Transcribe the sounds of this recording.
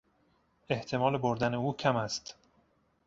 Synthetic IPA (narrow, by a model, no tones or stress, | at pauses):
e̞ht̪ʰe̞mɒːleboɾd̪æne̞uːcʰæmæst̪